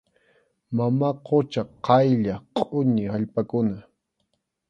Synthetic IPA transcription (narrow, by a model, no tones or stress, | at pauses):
mamaqʰot͡ʃaqɑjʎaqʼʊɲɪhaʎpakʊna